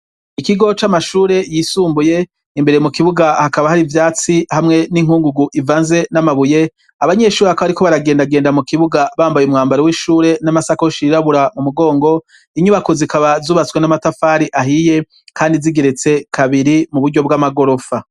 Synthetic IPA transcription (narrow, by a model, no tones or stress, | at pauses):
ikiɡo̞t͡ʃamaʃuːɾe̞jisuːmbuje̞ | imbe̞ɾe̞mukiβuɡahakaβahaɾivjaːt͡sihamŋe̞niŋ̥huːŋɡuɡuʔivaːnze̞namaβuje̞ | aβaɲe̞ʃuːeakaβaɾikoβaɾaɡeːndaɡeːndamukiβuɡaβaːmbajumŋaːmbaɾowiʃuːɾe̞namasakoʃiiɾaβuɾamumuɡo̞ːŋɡo̞ | iɲuβakuzikaβazuːβat͡swe̞namatafaːɾiʔaɦije̞ | kʰaːndiziɡe̞ɾet͡se̞kʰaβiɾimuβuɾɟo̞b̚ɡamaɡo̞ɾo̞fa